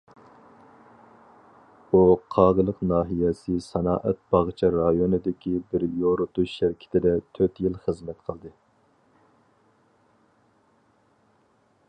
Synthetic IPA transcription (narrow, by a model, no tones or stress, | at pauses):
uqʰɑːʁəlˠəqnɑːɦijɛsɨsɛnɑ̰ːʔɛt̪̚b̥ɑʁt͡ʃʰɑɾɑjonɨd̪ɪkʲʰibɪɾjoɾut̪uʃʃæɾɪkʲʰɪ̥t̪ʰɪd̪ɛt̪ʰøt̪jilˠχəzmɛt̪qʰəlˠd̪ɨ